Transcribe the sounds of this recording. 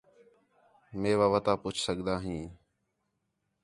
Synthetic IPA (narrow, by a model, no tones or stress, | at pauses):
mẽːʋaːʋət̪aːpʊt͡ʃʰsəɠd̪aːɦĩː